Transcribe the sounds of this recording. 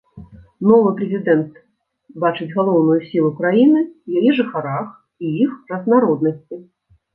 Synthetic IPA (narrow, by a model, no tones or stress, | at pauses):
nɔvɨpɾʲɛzʲid̪ɛnt̪ | bat͡ʂɨd͡zʲɣalˠɔwnujusʲilˠukɾajinɨwjajiʐɨxaɾax | ijixrɐznaɾɔd̪̚nɐsʲt͡sʲi